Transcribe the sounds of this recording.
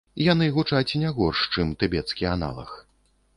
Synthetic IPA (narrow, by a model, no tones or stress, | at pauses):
janɨɣut͡ʂat͡sʲnʲɛɣɔrʂt͡ʂɨmt̪ɨbʲɛt̪skʲiana̰lˠɐ̰x